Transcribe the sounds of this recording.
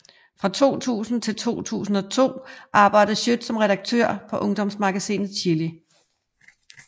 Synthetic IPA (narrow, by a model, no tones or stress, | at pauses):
fʁɑ̈t͡sʰo̝̰ːt͡sʰṵːsn̩t͡sʰe̝lt͡sʰo̝̰ːt͡sʰṵːsn̩ɒ̽t͡sʰo̝̰ːʔɑ̈ːb̥ɑ̈ɪ̰d̥əɕød̥sɒ̽mʁɛɾɑ̈ɡ̥̚t͡sʰø̰ɐ̰pʰɒ̽ʔɔ̽ŋd̥ɒ̽msmɑ̈ɡ̥æsḭːnð̩ˠt͡ɕʰiɐli